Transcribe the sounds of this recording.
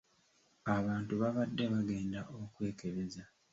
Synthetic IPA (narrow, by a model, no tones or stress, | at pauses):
aβaːntuβaβadːe̞βaɡe̞ːndaʔokwe̞ːke̞βe̞za